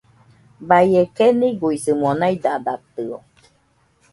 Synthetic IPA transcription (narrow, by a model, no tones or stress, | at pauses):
bajekeniɡuisɨmonajd̪ad̪at̪ɯo